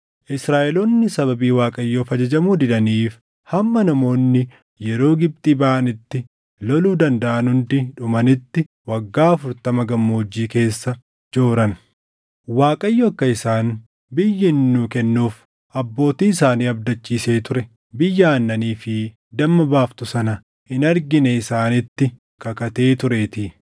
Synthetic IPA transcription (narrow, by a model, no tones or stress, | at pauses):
ʔɪsɾaːʔɛloːnːɪsɐβɐbiːwaːkʼɐjːoːfɐd͡ʒɐd͡ʒɐmuːd̪ɪᶑɐniːf | hɐmːɐnɐmo̞ːnːɪ | jɛɾo̞ːɡɪb̚t̪ʼiːbaʔɐnɪt̪ːɪ | lɔluːd̪ɐnd̪ɐʔɐnhʊnd̪ɪᶑʊmɐnɪt̪ːɪ | wɐɡːaːɐfʊɾt̪ɐmɐɡɐmːoːd͡ʒːiːke̞ːsːɐ | d͡ʒo̞ːɾɐn | waːkʼɐjːɔkːɐɪsaːn | bɪjːɪnːuːkɛnːuːf | ɐbːo̞ːt̪iːɪsaːniːɐb̚d̪ɐt͡ʃːiːse̞ːt̪ʊɾɛ | bɪjːaːnːɐniːfɪ | d̪ɐmːɐbaːft̪ʊsɐnɐ | hɪnɐɾɡɪnɛɪsaːnɪt̪ːɪ | kɐkɐt̪e̞ːt̪ʊɾeːt̪i